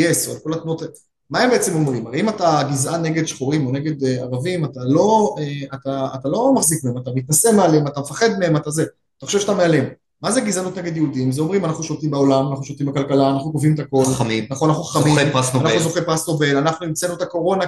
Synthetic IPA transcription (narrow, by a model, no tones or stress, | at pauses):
esalko̞lat̪nuot̪ | mae̞mbe̞et͡se̞mo̞mʁimaʁeimataɡizʔane̞ɡe̞d̪ʃχoʁimo̞ne̞ɡe̞d̪eaʁavimat̪alo̞eat̪aːt̪alo̞maχzikmeemat̪amit̪nase̞mealeemat̪amefaχe̞d̪me̞he̞mat̪aze | ataχoʃevʃat̪ameale̞m | mazeɡizanut̪ne̞ɡe̞d̪jeud̪imzeo̞mʁimanaχnuʃolt̪imbao̞lamanaχnuʃolt̪imbakalkalaːnaχnukovimetako̞lminaχoanaχnuχḁχamimasnoanaχnuzoχempasnobe̞lanaχnuimt͡senuet̪ako̞ʁo̞na